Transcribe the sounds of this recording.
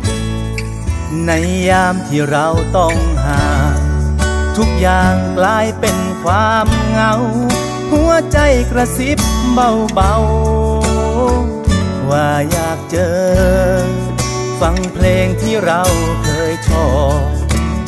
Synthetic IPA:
na˧˥jːaː˧˩mt̪ʰiː˧˩ɾa˧wt̪ɔ˧˩ŋhaː˨˦ | t̪ʰu˦˥k̚jaː˧ŋklaː˧˥jpe˧nkʰwaː˧mŋa˧˥w | hu˧˥ɐt͡ɕa˧˩jkɾa˧si˦˥p̚ba˧˩wba˧w | waː˧˩jaː˧˩k̚t͡ɕɤː˧ | fa˧˥ŋpʰleː˧ŋt̪ʰiː˧˩ɾa˧˥wkʰɤː˧jt̪ʰɔː˧˩

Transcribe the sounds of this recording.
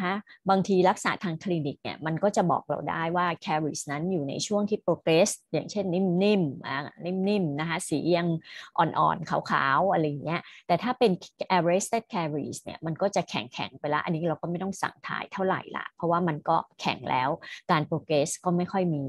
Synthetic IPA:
kʰa˦˥baː˧ŋt̪ʰiː˧ɾa˦˥k̚sa̰˨˩˦t̪ʰaː˧ŋkʰliː˧ni˨˩k̚nḭ˦˥ɐma˧nkɔː˥˩t͡ɕa˨˩bɔ̰ː˨˩k̚ɾa̰˧wda̰ː˥˩jwaː˥˩kʰɛː˧ɾi˨˩sna˦˥njuː˨˩na̰˧jt͡ɕʰu˥˩əŋt̪ʰiː˥˩pɾoː˧keː˦˥sjaː˨˩ŋt͡ɕʰe˥˩nːi˥˩mni˥˩mʔa˨˩ni˥˩mni˥˩mna˦˥kʰa˦˥siː˩˦ja˧ŋʔɔ̰ː˨˩nʔɔ̰ː˨˩nkʰaː˩˦wkʰa̰ː˩˦wʔa˧ɾa˧jːa˨˩ŋːi˦˥ɐt̪ɛː˨˩t̪ʰaː˥˩pe˧nʔɛː˧ɾeː˦˥st̪e˥˩t̪̚kʰɛː˧ɾḭː˨˩snḭ˦˥ɐma˧nkɔː˥˩t͡ɕa˨˩kʰɛ̰˨˩˦ŋkʰɛ̰˨˩˦ŋpa˧jla˦˥ʔa̰˧nːiː˦˥ɾa˧wkɔː˥˩ma˥˩jt̪ɔ˥˩ŋsa̰˨˩ŋt̪ʰa̰ː˨˩˦jt̪ʰa˥˩wɾa̰˨˩jla̰˨˧˩pʰɔ˦˥waː˥˩ma˧nkɔː˥˩kʰɛ̰˨˩˦ŋlɛ̰ː˦˥wkaː˧npoː˧kɾeː˦˥skɔː˥˩ma˥˩jkʰɔ˥˩jmiː˧

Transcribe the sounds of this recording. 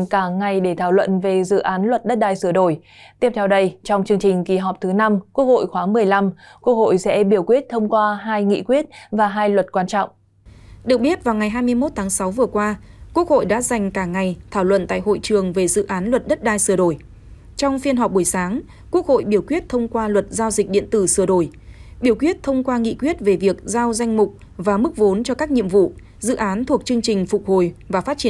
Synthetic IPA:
ŋkaː˧˩ŋa˨˩jɗe˧˩t̪ʰaː˧˩wlwə̰˧˨nve˨˩zɨ̰˧˨ʔaː˨˦nlwə˨˩t̚ɗə˦˥t̚ɗaː˧jsɨ˧˩əɗo˧˩j | t̪i˦˥əp̚t̪ʰɛ˧wɗə˧jt͡ɕɔ˧wŋ͡mt͡ɕɨ˧əŋt͡ɕï˨˩ŋ̟ki˨˩˦ɦɔ˨˩p̚t̪ʰɨ˨˦na˧mkwu˦˥ək̚ho̰˧˨jxwaː˨˦mɨ˨˩əjla˧mku˦˥ək̚ho̰˧˨jsɛ̰˧˥ɓi˧˩əwkwi˦˥ət̚t̪ʰə˧wŋ͡mkwaː˧ɦaː˧jŋḭ˧˨kwi˦˥ət̚vaː˨˩ɦaː˧jlwə˨˩t̚kwaː˧nt͡ɕɔ̰˧˨wŋ͡m | ɗɨ˨˩ək̚ɓi˦˥ət̚vaː˨˩wŋa˨˩jɦaː˧jmɨ˧əjmo˦˥t̚t̪ʰaː˨˦ŋsa˨˦wvɨ˨˩əkwaː˧ku˦˥ək̚ho̰˧˨jɗa̰ː˧˥za˨˩jŋ̟kaː˧˩ŋa˨˩jt̪ʰaː˧˩wlwə̰˧˨nt̪a̰ː˧˨jɦo̰˧˨jt͡ɕɨ˨˩əŋve˨˩zɨ̰˧˨ʔaː˨˦nlwə˨˩t̚ɗə˦˥t̚ɗaː˧jsɨ˧˩əɗo˧˩j | t͡ɕɔ˧wŋ͡mfi˧nɦɔ˨˩p̚ɓu˧˩əjsaː˨˦ŋ | ku˦˥ək̚ho̰˧˨jɓi˧˩əwkwi˦˥ət̚t̪ʰə˧wŋ͡mkwaː˧lwə˨˩t̚zaː˧wzï˨˩k̚ɗḭ˧˨ənt̪ɨ˧˩sɨ˧˩əɗo˧˩j | ɓi˧˩əwkwi˦˥ət̚t̪ʰə˧wŋ͡mkwaː˧ŋḭ˧˨kwi˦˥ət̚ve˨˩vi˨˩ək̚zaː˧wza˧jŋ̟mʊ˨˩k͡p̚ | vaː˨˩mɨ˦˥k̚vo˨˦nt͡ɕɔ˧kaː˦˥k̚ɲḭ˧əmvṵ˧˨ | zɨ̰˧˨ʔaː˨˦nt̪ʰu˨˩ək̚t͡ɕɨ˧əŋt͡ɕï˨˩ŋ̟fʊ˨˩k͡p̚ho˨˩jvaː˨˩faː˦˥t̚t͡ɕi˧˩˨

